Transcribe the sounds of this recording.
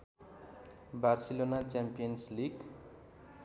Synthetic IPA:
barsilonat͡sampijʌnsliɡ

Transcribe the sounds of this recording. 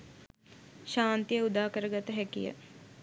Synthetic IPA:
ʃaːnt̪ijəud̪aːkəɾəɡat̪əɦɛkijə̰

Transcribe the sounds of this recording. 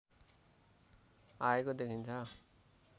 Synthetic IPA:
aekod̪ekʰint͡sʰʌ

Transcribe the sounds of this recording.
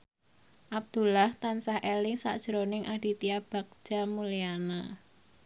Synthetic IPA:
ʔab̚d̪̥ṳlaht̪ansahʔelɪŋsa̰ʔd̥ʒ̥əɾonɪŋʔaɖ̥i̤t̪iab̥a̤k̚d̥ʒ̥a̤muliana

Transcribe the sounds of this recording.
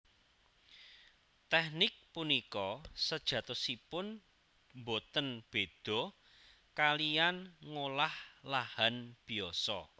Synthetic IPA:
t̪ɛhnɪk̚punikɔsəd̥ʒ̥ä̤t̪ɔsipʊn | mbot̪ənb̥e̤d̪̥ɔ̤ | kalijanŋolahlahanb̥i̤ɔsɔ̰

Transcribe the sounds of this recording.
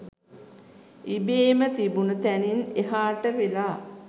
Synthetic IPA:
ibeːmət̪ibunət̪ænineɦaːʈəʋelaː

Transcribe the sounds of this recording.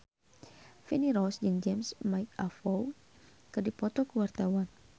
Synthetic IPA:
finiɾɔsd͡ʒɨŋd͡ʒɛmsmajk̚afow | kɨrdipɔt̪ɔkəwart̪awan

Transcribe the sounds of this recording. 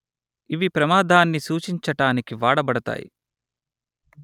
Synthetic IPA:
iʋipɾɐmaːd̪ʱaːnːisuːt͡ʃiɲt͡ʃɐʈaːnikiʋaːɽɐbɐɽɐt̪a̰ːjḭ

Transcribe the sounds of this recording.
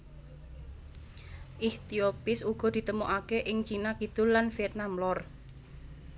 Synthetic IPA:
ʔiht̪iopɪsuɡ̥ɔ̤d̪̥i̤t̪əmoʔakeʔɪŋt͡ʃinakit̪ʊllːanfiɛt̪̚namlɔr

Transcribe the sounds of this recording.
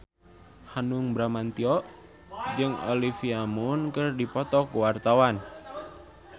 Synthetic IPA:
hanuŋbɾamant̪iɔʔ | d͡ʒɨŋo̰lifiamunkɨrdipɔt̪ɔkuwart̪awan

